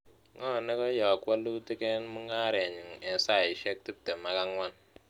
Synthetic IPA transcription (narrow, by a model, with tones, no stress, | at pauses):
ŋɔ˦˨ne˦kɔ˦jɔ˨kwa˦lu˦ti˦ke˦nmu˦ŋa˦ɾe˨ɲi˨ŋe˨sa˦˨i˨ʃe˦k̚ti˦tːe˨ma˨˦ka˦ŋwa˦n